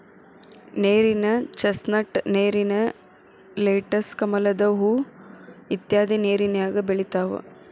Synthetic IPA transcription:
neːɾinɐt͡ʃɐsnɐʈneːɾinɐ | leːʈɐskɐmɐlɐd̪ɐɦu | it̪jaːd̪ineːɾinɐjaːɡɐbeɭit̪aːʋɐ̰

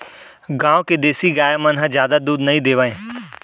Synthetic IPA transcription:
ɡãːʋked̪eːsiɡaːjamɐ̃nɦə̃zjaːd̪ad̪uːd̪nɐɦĩd̪eːʋaːɦẽ

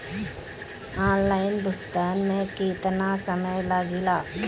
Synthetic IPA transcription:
aːnlaːɪnbʱʊkt̪aːnmẽkeːt̪nasəməjlaːɡilaː

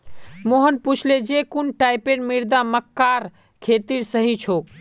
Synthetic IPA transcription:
moɦənput͡ʃʰled͡ʒekunʈaɪpeɽmiɾd̪aməkːaɾ | kʰet̪iɾsəɦit͡ʃʰok

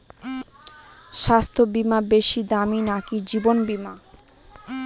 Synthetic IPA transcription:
ʃast̪ʰobimabeʃid̪aminakid͡ʑibonbima

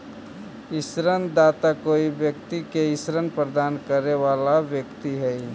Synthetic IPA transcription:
ɪsɾənd̪aːt̪akoːiʋjək̚t̪ikeɪsɾənpɾəd̪aːnkəɾeʋaːlaʋjəkt̪iɦɛi

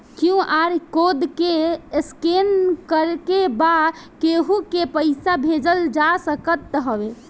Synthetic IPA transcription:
kiũʔaɾkod̪keskenkəɾkebakeɦũkepəɪsabʱed͡ʒəld͡ʒasəkət̪ːɦəbe

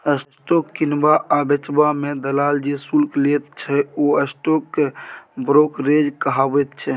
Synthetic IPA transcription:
əsʈokːinbaʔabet͡ʃbamed̪əlald͡ʒesulklet̪t͡ʃʰɛoəsʈokːebɾokɾed͡ʒkəɦabɛt̪t͡ʃʰɛ

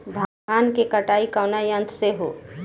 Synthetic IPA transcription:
b̪ʱaːaːnkekɐʈaːikaʊnajə̃nt̪ʰseɦo̰ː

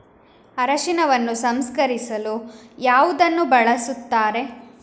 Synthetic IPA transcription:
ɐɾɐʃinɐʋɐnːusɐmskɐɾisɐlujaːʋud̪ɐnːubɐɭɐsut̪ːaːɾe̞

